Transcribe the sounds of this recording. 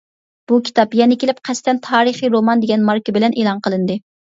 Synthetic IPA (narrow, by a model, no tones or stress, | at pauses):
b̥ukʲʰi̥t̪ɑpjɛnɪkʲelɪpqʰɛst̪ɛnt̪ʰɑːɾɨχiɾomɑnd̪eɡʲɛnmɑɾkibɪlɛnʔeːlˠɑnqəlˠɨnd̪ɨ